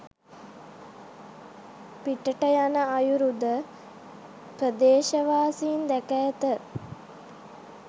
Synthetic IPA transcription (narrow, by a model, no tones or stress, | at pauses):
piʈəʈəjanəajuɾud̪ə | prəd̪eːʃəʋaːsiːnd̪ækɛjət̪ə